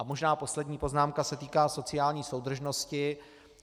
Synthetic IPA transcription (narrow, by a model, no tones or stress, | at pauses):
amo̞ʒnaːpo̞slɛdɲiːpo̞znaːmkasɛt̪iːkaːso̞t͡sɪjaːlɲiːso̞wd̪r̩ʒno̞scɪ